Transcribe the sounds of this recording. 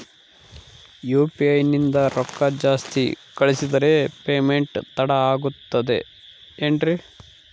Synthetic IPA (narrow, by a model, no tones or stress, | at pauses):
juːpiɐjnind̪ɐɾɔkːɐd͡ʒaːst̪ḭkɐɭisid̪ɐɾe̞peːme̞ɳʈt̪ɐɽɐaːɡut̪ːɐd̪e̞ | eɳɖɾi